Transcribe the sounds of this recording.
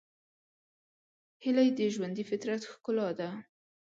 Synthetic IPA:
hɪlajd̪əʒwand̪ifɪt̪ɾat̪xkʊlɑd̪a

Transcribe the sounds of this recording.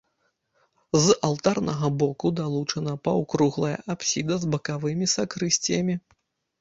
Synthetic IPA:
zalˠt̪arnɐɣɐbɔkud̪alˠut͡ʂɐnɐpɐwkɾuɣlˠɐjɐ̰ʔapsʲid̪ɐzbɐkavɨmʲisakɾɨsʲt͡sʲijɐmʲi

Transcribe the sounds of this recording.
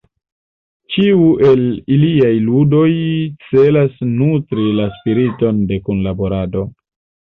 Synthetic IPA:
t͡ʃiuʔe̞liliajludo̞jt͡se̞lasnutɾilaspiɾito̞nde̞kunlabo̞ɾado̞

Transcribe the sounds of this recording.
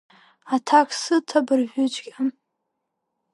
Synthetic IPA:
atʰakʰʼsɨtʰabɨrʒʷᶣʊt͡ʃʼɡʲa

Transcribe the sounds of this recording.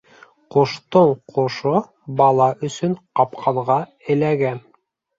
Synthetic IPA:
qoʃt̪oɴqʰoʃo | bɑlˠɑʔɵ̆sɵɴqɑpqʰɑɴʁɑ | ɘ̆læɡæn

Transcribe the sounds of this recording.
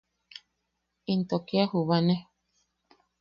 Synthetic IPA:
int̪okeahuβane

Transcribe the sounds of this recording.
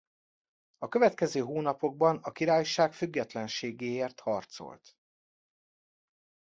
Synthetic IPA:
ɒkøvɛt̪kɛzøːɦoːnɒpo̞ɡ̚bɒnɒkiɾaːjʃaːkfyɡːɛt̪lɛnʃeːɡeːeːrt̪hɒrt̪so̞̰lt̪

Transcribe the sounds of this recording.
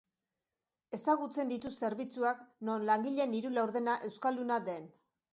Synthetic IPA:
e̞saɣ̞ut͡se̞nd̪it̪use̞ɾβit͡suakno̞nlaŋɡiʎe̞niɾulawɾðe̞naʔe̞wskald̪unad̪e̞n

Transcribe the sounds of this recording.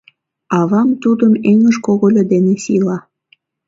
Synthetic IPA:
ɑβɑmt̪ud̪əmeŋəʒkoɣolʲod̪enesilɑ

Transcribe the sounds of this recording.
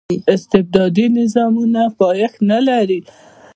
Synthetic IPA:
ɪst̪ɪb̚d̪ɑd̪inɪzɑmunafɑjaxnalaɾi

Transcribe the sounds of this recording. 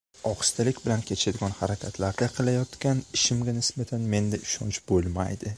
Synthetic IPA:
ɒqɨ̥st̪ʰalɪkʲbɪlankʲʰe̞t͡ʃʰad̪ɪɡʲɒnhaɾakʲʰat̪ʰlaɾd̪aqʰɨlˠajɒt̪kʲanɪʃɪmɡʲanɪsbat̪ʰanme̞nd̪aʔɪʃɒnt͡ʃbolˠma̰jd̪ɪ

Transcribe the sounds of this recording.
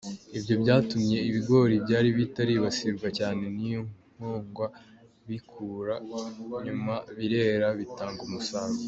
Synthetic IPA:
ibjo̞bɟaːtumɲe̞iβiɡo̞ɾibɟaːɾiβitaɾiβasiɾɡwacaːne̞nijoŋ | oːŋɡwa | βikʰuːɾaɲumaβiɾe̞ːɾaβitaːŋɡumusaɾo

